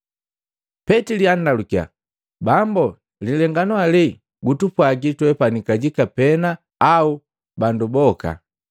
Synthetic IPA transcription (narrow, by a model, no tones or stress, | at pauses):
pɛtiliandalukia̰ | bambɔ | lilɛŋɡanwali | ɡutupwaɡitwɛpanikaɟikapɛna | au | bandubɔka̰